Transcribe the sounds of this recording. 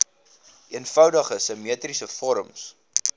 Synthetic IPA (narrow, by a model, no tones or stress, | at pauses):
iənfœwdəχəsəmiətrisəfɔɾəms